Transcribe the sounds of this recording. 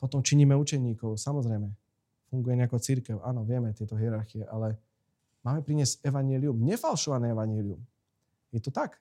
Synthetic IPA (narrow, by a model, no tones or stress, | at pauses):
pɔt̪ɔmt͡ʃiɲiːmɛut͡ʃɛʊɲiːkɔʊsamɔzɾɛjmɛ | fuŋɡujɛɲɛakɔt͡siɾkɛʊʔaːnɔʋɪɛmɛt̪ɪɛt̪ɔɦiɛɾaɾxiɛʔalɛ | maːmɛpɾiɲɪɛzcɛʋaɲɪɛliumɲɛfalʃɔʋanɛɛʋaɲɪɛlium | jɛt̪ɔt̪ak